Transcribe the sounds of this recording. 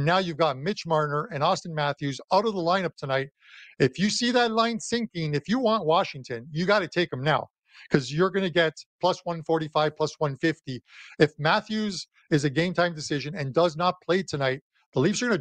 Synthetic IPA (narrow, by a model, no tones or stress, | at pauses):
nːaʊjʉvɡɑt̚mɪt͡ʃmɑɹnə˞ɨ̃nɔstɨ̃n̩mæθjʉzaʊɾʌvðəlãɪ̃nʌp̚tʰɨnaɪɾ̚ | ɨfjɨsiðɨtˡlãɪ̃nsɪ̃ŋkɪ̃ŋɨfjɨwɑ̃nʔwɑʃɪ̃ŋtʰɨ̃njɨɡɑɾɨtʰeɪkɨ̃mnaʊ | kʰʌzjə˞ɡʌnɨɡɛt̚pʰl̥ʌswʌ̃nfɔɹɾifaɪv̥pʰl̥ʌswʌ̃nfɪftiɨfmæθjʉz | ɨzɨɡẽɪ̃mtʰãɪ̃mdɨsɪʒɨ̃nɨ̃ndʌznət̚pʰl̥eɪtʰɨnaɪt̪̚ | ðəlifsə˞ɡʌ̃nɨ